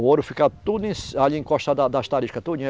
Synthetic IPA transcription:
oɾʊfikat̪ud̪ʊẽsaʎiẽŋkɔʃt̪ɐd̪ɐd̪ɐʃt̪aɾiʃkɐt̪ud͡ʒĩ

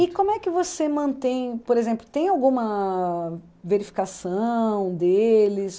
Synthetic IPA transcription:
ɪkõmʊɛkɪvosemɐ̃nt̪ẽj̃poɾezẽmplʊt̪ẽj̃awɡũmɐ | veɾifi̥kasɐ̃w̃d̪elɪs

